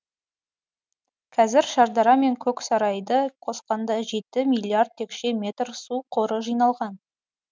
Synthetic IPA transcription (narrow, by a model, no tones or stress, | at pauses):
kʲʰɑzɪɾʃɑɾd̪ɑɾɑme̞ŋkʲʰɵksɑɾɑjd̪əqʰo̞sqɑnd̪ɑʒe̞t̪ɪmilʲˠiard̪̚tʰːe̞kʃe̞mʲe̞t̪rsuqʰo̞ɾəʒijnɑlˠʁɑn